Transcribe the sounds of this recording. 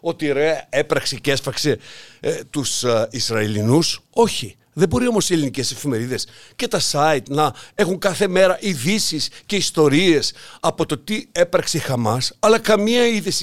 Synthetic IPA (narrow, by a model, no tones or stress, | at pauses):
o̞t̪iɾoeɐe̞pɾɐksece̞spɐkse̞ | t̪usisɾɐilinuso̞çi | ðe̞bo̞ɾio̞mo̞sielinice̞se̞fime̞ɾiðe̞sce̞t̪ɐsɐit̪nɐe̞xuŋkɐθe̞me̞ɾɐʔiðisisce̞ist̪o̞ɾie̞sɐpo̞t̪o̞t̪ie̞pɾɐksexɐmɐsɐlɐkɐmiɐiðesi